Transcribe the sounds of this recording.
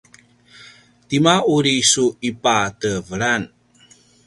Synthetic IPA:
timauɾisuipatəvəɾan

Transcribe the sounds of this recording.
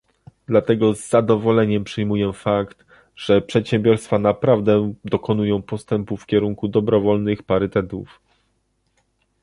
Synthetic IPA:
d̪lat̪ɛɡɔzːad̪ɔvɔlɛɲɛmpʂɘjmujɛfakt̪ | ʐ̥ɛpʂɛt̪ɕɛ̃mbʲjɔɾst̪fanapɾavd̪ɛd̪ɔkɔnujɔ̃w̃pɔst̪ɛmpufkʲɛɾuŋkud̪ɔbɾɔvɔlnɘxpaɾɘt̪ɛt̪uf

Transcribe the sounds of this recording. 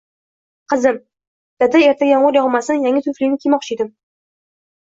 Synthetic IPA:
qʰɨzɪm | d̪̥ad̪ae̞ɾt̪ʰajɒɴʊɾjɒʁmasɪnjaŋʲɪt̪ʰʊflinɪkʲʰimɒq̚t͡ʃʰɪjd̪ɪm

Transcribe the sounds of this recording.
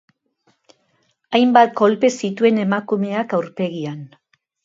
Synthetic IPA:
ajmbat̪ɡo̞lpe̞sit̪ue̞ne̞makume̞akawɾpe̞ɣian

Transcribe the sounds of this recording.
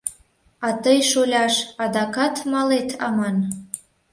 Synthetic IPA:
ɑt̪əjʃolʲɑʃɑd̪ɑkɑt̪mɑlet̪ʰɑ̰mɑn

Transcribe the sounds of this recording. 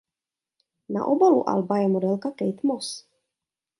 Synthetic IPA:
na̰ʔobalṵʔa̰lbajɛmod̪ɛlkakɛjt̪mɔs

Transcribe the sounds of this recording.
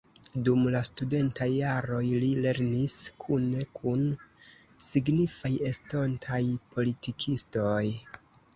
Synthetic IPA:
dumlastude̞ntajːaɾo̞jlile̞ɾniskʰune̞kʰun | siɡnifaje̞stontʰajpʰo̞litikʰisto̞j

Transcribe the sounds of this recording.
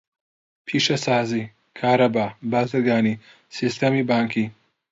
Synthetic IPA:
pʰiːʃɐsaːziː | kʰaːɾɐbaːbaːzɨɾɡaːniː | sist̪ɐmiːbaːŋkʰiː

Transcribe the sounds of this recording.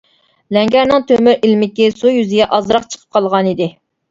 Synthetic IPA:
lɛŋɡʲæɾnɨŋt̪ʰømyɾilmɪkʲisujyzɪɡʲɛʔɑzɾɑqt͡ʃʰə̥qʰə̥p̚qʰɑlˠʁɑnid̪ɪ

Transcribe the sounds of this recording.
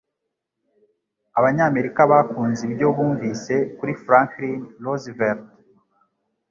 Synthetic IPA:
aβaɲaːme̞ɾikaβakuːnzibjo̞βuːɱviːse̞kuɾifɾãŋklinlozveɾt

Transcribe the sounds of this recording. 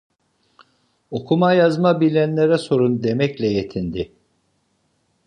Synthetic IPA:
o̞kʰumajazmabilʲænlʲeɾɛso̞ɾund̪e̞mɛclʲɛjet̪ʰind̪ɪ

